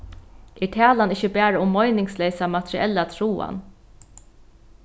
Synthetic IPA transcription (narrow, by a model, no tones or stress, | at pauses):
ʔɛʈʰæːlanɪçəbæːɾaʊmːɔjnɪŋslɛːsamat̪ʰɾiɛlːat̪ʰɾuːa̰n